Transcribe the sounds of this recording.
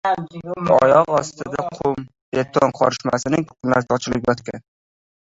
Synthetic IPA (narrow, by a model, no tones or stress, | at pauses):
ɒ̰jɒʁɒst̪ɪd̪aqʰʊm | bet̪ʰːonqʰɒɾɪʃmasɪnɪŋʰqʰʊmla̰ɾsɒt͡ʃʰɪlˠɪɡʲajɒt̪kʲan